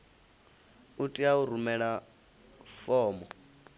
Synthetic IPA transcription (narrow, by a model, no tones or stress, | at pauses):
utʼiauɾumɛɺa | fɔːmɔ